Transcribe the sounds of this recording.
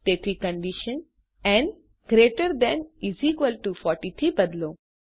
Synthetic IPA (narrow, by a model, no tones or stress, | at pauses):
t̪et̪ʰɾikə̃ɳɖiʃə̃n | ɛ̃ɳɖ | ɡɾeʈəɾd̪ɛ̃niziːkʋəlʈufɔːɾʈit̪ʰɾiːbɐd̪loː